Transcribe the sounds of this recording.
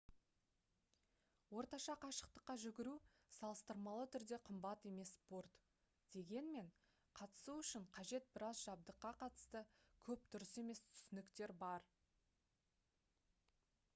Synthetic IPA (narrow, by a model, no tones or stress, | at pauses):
wo̞ɾt̪ɑʃɑqʰɑʃə̥qt̪əqːɑʒʏɡʲɪɾu | sɑlˠəst̪əɾmɑlˠət̪ʰʏɾd̪e̞qʰəmbɑt̪e̞me̞spo̞rt̪ | d̪̥e̞ɡʲe̞nme̞ɴ | qʰɑt̪ə̥suʏʃɪɴqʰɑʒe̞t̪̚bɪɾɑzʒɑb̚d̪əqːɑqʰɑt̪ə̥st̪əkʲʰɵp̚d̪̥ʏɾɪse̞me̞st̪ʰʏ̥sɪnɪkt̪e̞ɾbɑɾ